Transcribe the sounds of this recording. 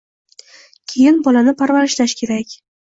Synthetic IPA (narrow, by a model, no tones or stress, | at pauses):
kʲʰe̞jɪnbɒlanɪpʰaɾvaɾɪʃlaʃkʲʰe̞ɾakʲ